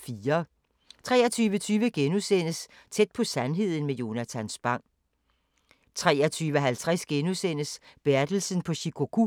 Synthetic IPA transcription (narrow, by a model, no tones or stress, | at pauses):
fiːɐ | t͡sʰʁɛːɐt͡sʰyːʋət͡sʰyːʋəɡ̥enusen̰əst͡sʰed̥̚pʰɒ̽sænɦe̝ð̞̰ˠn̩mejo̝næt͡sʰænsb̥ɑ̈ŋ̰ | t͡sʰʁɛ̰ːɐt͡sʰyːʋəɦælt͡sʰʁɛsɡ̥enusen̰əsb̥eæɐd̥l̩sən̩pʰɒ̽ɕikʰo̝ɡ̥u